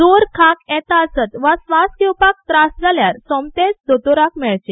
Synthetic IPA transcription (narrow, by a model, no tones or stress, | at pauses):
d͡zoɾkʰakɛt̪aəsət̪ʋasʋaskewpak̚t̪ɾasd͡zʱaljaɾsɔmt̪esd̪ot̪oɾakmɛɭt͡ɕe